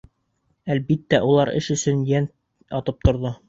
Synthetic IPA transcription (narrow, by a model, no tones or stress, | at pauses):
ælbit̪ːæʔulˠɑɾɘ̰ʃɵ̆sɵnjæn | ɑt̪ɤp̚t̪ŏɾðo